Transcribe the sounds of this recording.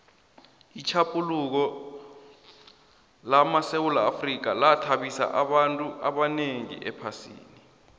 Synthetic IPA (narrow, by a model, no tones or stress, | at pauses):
it͡ʃʰapʼuluk̬ɔ | lamasewulaːfrik̬alatʰaɓisa̰ʔaɓantʼuʔaɓaneŋḭʔɛpʰasḭːni